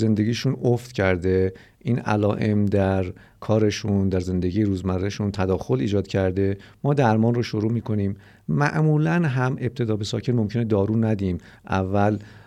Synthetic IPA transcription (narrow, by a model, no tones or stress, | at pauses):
ze̞nd̪e̞ɟiːʃunoft̪cʰæɾd̪e̞ | ʔiːnæ̰lɒːʔe̞md̪æɾ | kʰɒːɾe̞ʃund̪æɾze̞nd̪e̞ɟiːjeɾuːzmæɾeʃunt̪ʰæd̪ɒːxo̞liːd͡ʒɒːd̪̥cʰæɾd̪e̞mɒːd̪æɾmɒːnroʃoɾuːmiːkʰo̞niːm | mːæʔmuːlænɦæmʔe̞b̚t̪ʰe̞d̪ɒːbe̞sɒːcʰe̞nmo̞mkcʰe̞ned̪ɒːɾuːnæd̪iːm | ʔæ̰vːæl